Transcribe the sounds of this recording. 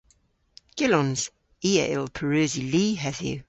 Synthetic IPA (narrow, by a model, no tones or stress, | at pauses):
ɡ̥ɪlɔ̃nz̥ | iːɛ̰ʔɪ̰lˠpʰəɹəːziliːɦɛðjʉ̰